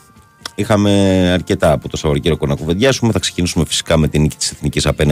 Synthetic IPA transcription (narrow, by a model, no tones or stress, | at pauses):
ixɐme̞ɐɾce̞t̪ɐːpot̪o̞sɐvoɾoceɾiokonɐkove̞ðʝɐsumeθɐkse̥cinisume̞fi̥si̥kɐme̞t̪inici̥t̪i̥seθnicisɐpen